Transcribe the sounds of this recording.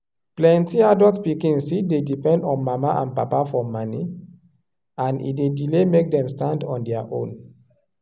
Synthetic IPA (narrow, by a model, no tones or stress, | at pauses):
plɛ̃ntiadɔtpikĩŋsidedipɛ̃ndɔ̃nmamaʔã̰npapafɔmani | ãnḭdedilemek̚dɛ̃mstãndɔ̃ndɛaʔõ̰n